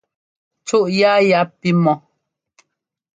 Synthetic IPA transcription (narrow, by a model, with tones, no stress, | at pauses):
t͡su˦ʔja˦ja˦pi˦mɔ˨